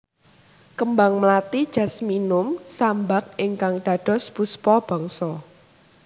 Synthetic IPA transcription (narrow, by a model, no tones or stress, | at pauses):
kəmbaŋməlat̪id̥ʒ̥ä̤sminʊmsambak̚ʔɪŋkaŋɖ̥ä̤ɖ̥ɔ̤spuspɔb̥ɔ̤ŋsɔ